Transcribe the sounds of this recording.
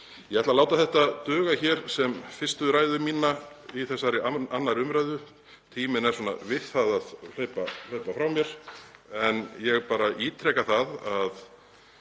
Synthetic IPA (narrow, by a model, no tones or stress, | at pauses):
jɛɣɛt̪lalaːwt̪aθɛht̪at̪œːɣaçɛɾ̥sɛmfɪr̥st̪ʏɾaːjðʏmiːna | iθɛsːaɾɪaanːaɾʏmɾajðʏ | t̪ʰiːmɪnɛɾ̥sɔːna̰vɪθaðaðl̥œɥpal̥œɥpafɾawmjɛɾ̥ɛnjɛɣpaːɾaʔiːt̪ʰɾɛkaθaðað